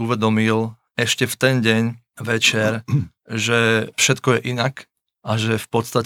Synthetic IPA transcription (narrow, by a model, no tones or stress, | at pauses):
uʋɛd̪ɔmil | ɛʃcɛft̪ɛnɟɛɲ | ʋɛt͡ʃɛɾ | ʒɛfʃɛt̪kɔjɛʔinak | ʔaʒɛfpɔt̪st̪a